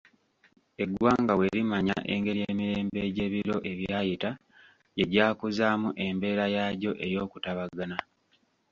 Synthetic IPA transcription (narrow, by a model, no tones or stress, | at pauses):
e̞ɡwaːŋɡawe̞ɾimaɲa̰ʔḛŋɡe̞ɾijeːmiɾe̞ːmbe̞ɟe̞ːβiɾo̞ʔe̞βjaːjita | je̞ɟaːkuzaːmuʔe̞mbe̞ːɾajaɟo̞ʔe̞jo̞ːkutaβaɡana